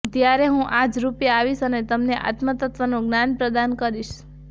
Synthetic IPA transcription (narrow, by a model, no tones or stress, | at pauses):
t̪jaɾeɦũʔad͡ʒɾupjaaʋiʃənet̪əmneʔa̰t̪mət̪ət̪ʋənõɡnanpɾəd̪ankəɾiʃ